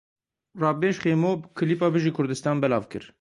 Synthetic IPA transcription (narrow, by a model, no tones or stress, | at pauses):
rɑːbeːʃχeːmoːbɨkʰɨliːpɑːbɨʒiːkʰʊɾd̪ɨst̪ɑːnbɛlɑ̰ːvkɨ̰ɾ